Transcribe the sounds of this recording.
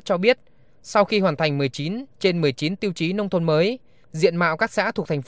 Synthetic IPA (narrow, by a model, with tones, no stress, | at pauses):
t͡ɕɔ˧ɓi˦˥ət̚ | sa˧wxi˧hwaː˨˩nt̪ʰa˨˩ŋ̟mɨ˨˩əjt͡ɕi˨˦nt͡ɕe˧nmɨ˨˩əjt͡ɕi˨˦nt̪i˧wt͡ɕi˨˦nə˧wŋ͡mt̪ʰo˧nməː˨˦j | zḭ˧˨ənma̰ː˧˨wkaː˦˥k̚sa̰ː˧˥t̪ʰu˨˩ək̚t̪a˨˩ŋ̟